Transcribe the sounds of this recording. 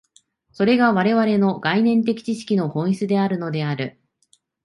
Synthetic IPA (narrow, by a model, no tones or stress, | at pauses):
so̞ɾe̞ɡaβaɾe̞βaɾe̞no̞ɡainẽ̞nt̪̬e̞kʲi̥t͡ɕiɕi̥kʲino̞hõ̞ɰ̃it͡sɨd̪e̞aɾɯ̟no̞d̪e̞aɾɯ̟